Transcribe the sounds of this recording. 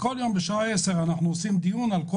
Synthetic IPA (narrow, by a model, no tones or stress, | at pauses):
koljo̞mbeʃaaeseʁanaχnuosimd̪ijunalko